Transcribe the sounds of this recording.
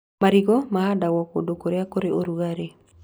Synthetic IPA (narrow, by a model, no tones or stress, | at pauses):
maɾiɡɔmaɦadawɔkodokoɾeakoɾeʔoɾuɣaɾe